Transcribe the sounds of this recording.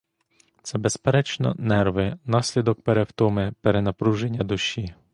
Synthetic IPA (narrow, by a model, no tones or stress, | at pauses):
t̪sɛbespeɾɛt͡ʃnɔ̰nɛrʋɪnɑsʲlʲid̪ɔk̚peɾewt̪ɔmɪpeɾenɐpɾuʒenʲːɐd̪ʊʃʲi